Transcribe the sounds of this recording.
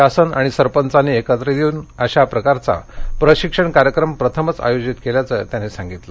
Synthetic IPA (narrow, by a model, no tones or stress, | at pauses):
asənaɽ̃isəɾpənt͡sanːeekət̪ɾəd̪iuːnəɕapɾəkaɾt͡sa̰pɾəɕikʂəɳkaɾjəkɾəmpɾət̪ʰəmət͡sa̰jod͡ʑit̪keljat͡səːjt̪janesaŋɡit̪lə